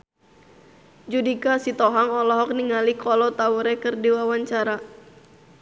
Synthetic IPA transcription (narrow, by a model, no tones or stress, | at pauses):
d͡ʒudikasit̪ɔɦaŋɔlɔɦɔk̚niŋalikɔlɔt̪auɾɛkɨrdiwawaɲt͡ʃaɾa